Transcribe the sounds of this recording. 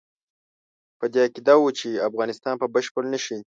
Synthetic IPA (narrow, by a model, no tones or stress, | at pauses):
pəd̪eakid̪awut͡ʃiafɣɑnɪst̪ɑnpəbəʃpəlnəʃi